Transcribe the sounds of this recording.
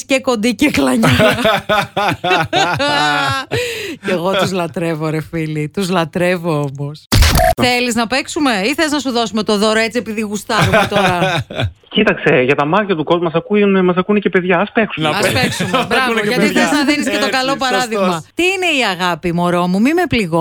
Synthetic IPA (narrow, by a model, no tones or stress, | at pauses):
sceko̞nd̪iceklɐɲɐ | ceɣo̞t̪uzlɐt̪ɾe̞voɾefilit̪uzlɐt̪ɾe̞voomosθe̞liznɐpeksume̞iθeznɐsuðo̞sume̞t̪o̞ðo̞ɾoe̞t͡siepiðiɣust̪ɐɾumet̪oɾɐ | cit̪ɐkse̞ʝɐt̪ɐmɐɾçɐt̪uko̞zmɐsɐkunmɐs̬ɐkunece̞pe̞ðʝɐɐspe̞ksuɐspeksumbɾɾɐvoʝɐt̪ieznɐðiniset̪okɐlo̞pɐɾɐðiɣmɐt̪iine̞iɐɣɐpimo̞ɾo̞mumimepliɣo